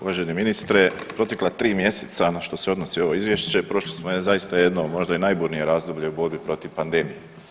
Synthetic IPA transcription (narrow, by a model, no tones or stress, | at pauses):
uʋaːʒeneminist̪ɾe | pɾo̞t̪eklˠat̪ɾiːmje̞set̪sanaʃt̪o̞se̞o̞d̪nosio̞ʋo̞izʋjeʃt͡ɕe̞pɾo̞ʃlismojezajist̪aje̞d̪nomo̞ʒd̪ainajbuːɾnije̞ɾaːzd̪o̞bʎeubo̞ɾbipɾo̞t̪iʋpand̪e̞mije